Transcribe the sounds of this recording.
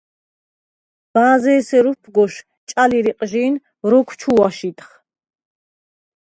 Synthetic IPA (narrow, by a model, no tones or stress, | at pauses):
b̥aːzɛːsɛɾupʰɡɔʃ | t͡ʃʼaliɾiqʼʒiːn | ɾɔkʷʰt͡ʃʰuwaʃit̪ʼχ